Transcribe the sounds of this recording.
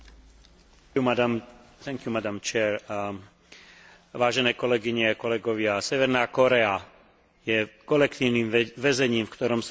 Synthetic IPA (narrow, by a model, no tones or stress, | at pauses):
amt̪ɛŋkjumad̪amt͡ʃɛːɾ | ʋaːʒɛnɛːkɔlɛɡiɲɛakɔlɛɡɔʋɪasɛʋɛɾnaːkɔɾɛa | jɛkɔlɛkt̪iːʊniːmʋɛzɛɲiːmfkt̪ɔɾɔms